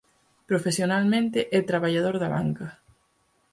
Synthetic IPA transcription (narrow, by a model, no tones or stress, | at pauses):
pɾofesjonalmẽnt̪ɪʔɛt̪ɾaβaʎað̞oɾðaβa̰ŋkɐ